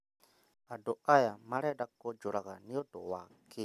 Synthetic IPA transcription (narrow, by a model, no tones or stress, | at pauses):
adɔʔajamaɾɛdakɔd͡ʒɔɾaɣaniɔdɔ̰waki